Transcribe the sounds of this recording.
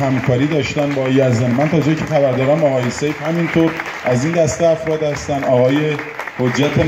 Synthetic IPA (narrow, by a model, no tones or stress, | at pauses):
hæmkʰɒːɾiːd̪ɒːʃt̪ænbɒːjæzɛnmænt̪ʰɒːd͡ʒecʰexæbæɾd̪ɒːd̪æmɒːɣɒːjesejfhæmint̪ʰoːɾ | ʔæzind̪æst̪eæfɾɒːd̪hæst̪ænɒːɣɒːjehod͡ʒːæt̪ʰe